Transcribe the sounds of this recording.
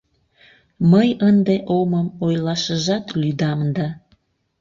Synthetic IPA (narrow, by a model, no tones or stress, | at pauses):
məjənd̪eʔoməmojlɑʃəʒɑt̪lyd̪ɑmd̪ɑ